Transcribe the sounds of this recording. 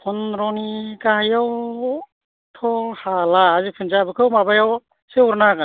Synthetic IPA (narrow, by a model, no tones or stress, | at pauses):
pʰɔnɾɔnikahajaw | tʰɔhalaːzipʰɯnzabɯkʰɯwmabajaw | seuɾnaka